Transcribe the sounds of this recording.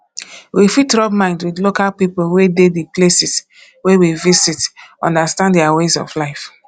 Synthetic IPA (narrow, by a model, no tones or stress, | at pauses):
wifitɹɔb̚mãɪ̃ndwidlokalpipolwedediplesis | wewivisitɔ̰̃ndastãndɛawezɔ̰flaɪf